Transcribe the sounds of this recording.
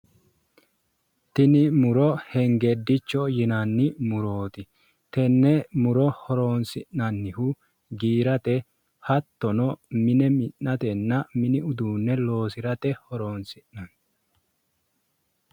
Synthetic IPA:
t̪ɪnɪmʊɾɔhɛŋɡed̪ːɪt͡ʃːɔjɪnɐnːɪmʊɾoːt̪ɪ | t̪ɛnːɛmʊɾɔhɔɾo̞ːnsɪnːɐnːɪhʊ | ɡiːɾɐt̪ɛ | hɐt̪ːɔnɔmɪnɛmɪnːɐt̪ɛnːɐmɪnɪʊd̪uːnːɛlo̞ːsɪɾɐt̪ɛhɔɾoːnsɪnːɐn

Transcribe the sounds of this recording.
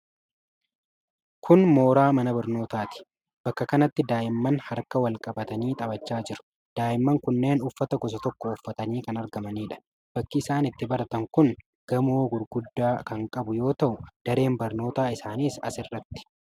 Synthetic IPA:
kʰʊnmoːɾaːmɐnɐbɐɾno̞ːt̪aːt̪ɪ̥ | b̥ɐkːɐkɐnɐt̪ːɪd̪aːʔɪmːɐnhɐɾkɐwɐlkʼɐbɐt̪ɐniːt̪ʼɐbɐt͡ʃːaːd͡ʒɪɾʊ̥ | d̪̥aːʔɪmːɐŋkʊnːe̞ːnʊfːɐt̪ɐɡɔs̬ɐt̪ɔkːɔːfːɐt̪ɐniːkɐnɐɾɡɐmɐniːᶑɐ̥ | b̥ɐkːɪɪsaːnɪt̪ːɪbɐɾɐt̪ɐŋkʊn | ɡ̥ɐmoːɡʊɾɡʊd̪ːaːkɐŋkʼɐbʊjo̞ːt̪ɐʔʊd̪̥ɐɾe̞ːmbɐɾno̞ːt̪aːɪsaːniːsɐ̰sɪrːɐt̪ːɪ̥

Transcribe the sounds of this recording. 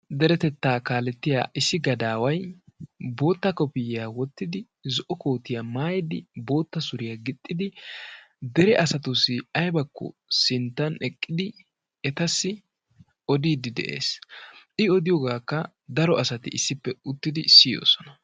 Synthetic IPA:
d̪ɛɾɛt̪ɛt̪ːaːkaːlɛt̪ːɪja̰ːʔɪsːɪɡɐd̪aːwɐj | bo̞ːt̪ːɐkɔpɪjɪjaːwɔt̪ːɪd̪ɪ | zɔʔɔko̞ːt̪ɪjamaːjɛd̪ɪbo̞ːt̪ːɐsʊɾɪjaɡɪt̪ʼːɪd̪ɪ | d̪ɛɾɛʔɐsɐt̪ʊsːɪɐjbɐkːɔ̰sɪnt̪ːɐnɛkʼːɪd̪ɪ | ɛt̪ɐsːɪ | ɔd̪iːd̪ɪd̪ɛ̰ʔḛːsʔɪɔd̪ɪjɔɡaːkːɐ | d̪ɐɾɔʔɐsɐt̪ɪʔɪsːɪpːɛʊt̪ːɪd̪ɪsɪjo̰ːsɔ̥nɐ

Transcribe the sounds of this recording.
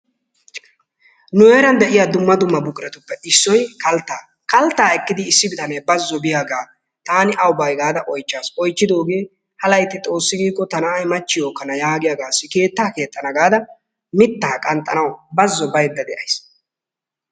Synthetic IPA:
nʊeːɾɐnd̪ɛʔɪjaːd̪ʊmːɐd̪ʊmːɐbʊkʼɾɛt̪ʊpːɛʔɪsːɔjkɐlt̪ːaː | kɐlt̪ːaːɛkːɪd̪ɪːsːɪbɪt̪ɐnɛjbɐzːɔbɪjaɡaː | t̪aːnɪʔɐwbɐjɡaːd̪ɐʔɔjt͡ʃːaːsɔjt͡ʃːɪd̪o̞ːɡeː | hɐlɐjt̪ːɪt̪ʼo̞ːsːɪɡiːkʼːɔt̪ɐnɐːjmɐt͡ʃːɪjo̞ːkːɐnɐjaːɡɪjaɡaːsːɪke̞ːt̪ːaːke̞ːt̪ʼːɐnɐɡaːd̪ɐ | mɪt̪ːaːkʼɐnt̪ʼːɐnɐwbɐzːɔbɐjd̪ːɐd̪ɛʔɐjs

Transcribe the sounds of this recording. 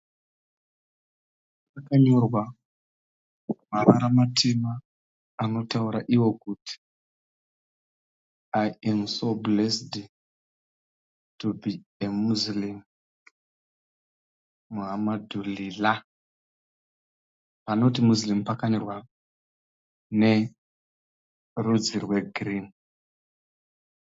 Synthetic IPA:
pakaɲo̞rwa | maβaɾamatʰemaː | no̞tauɾaʔiwo̞kuti̥ | ajensoblesd | tubiemuzlim | muɦamadulila | pano̞timuzlimpakanirwa | ne̞ | rud͡zirwe̞ɡʱrin

